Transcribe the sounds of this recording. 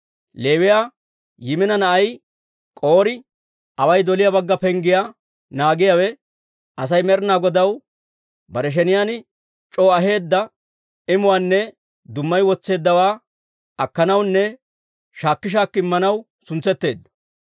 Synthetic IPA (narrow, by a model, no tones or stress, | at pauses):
le̞ːwɪjaː | jɪmɪnɐnɐʔɐj | kʼoːɾɪ | ɐwɐjd̪ɔlɪjabɐɡːɐpɛŋɡɪjaː | naːɡɪjawɛ | ʔɐs̬ɐjmɛɾnaːɡɔd̪ɐw | bɐɾɛʃ̬ɛnɪjan | t͡ʃʼo̞ːɐɦe̞ːd̪ːɐ | ɪmʊwaːnːɛ | d̪ʊmːɐjwɔt͡sːe̞ːd̪ːɐwaː | ɐkːɐnɐwnːɛ | ʃaːkːɪʃ̬aːkːɪɪmːɐnɐw | sʊnt͡sːɛt̪ːe̞ːd̪ːɐ̥